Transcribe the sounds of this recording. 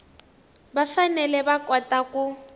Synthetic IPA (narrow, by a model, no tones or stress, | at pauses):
bafanɛlɛbakʼɔtaku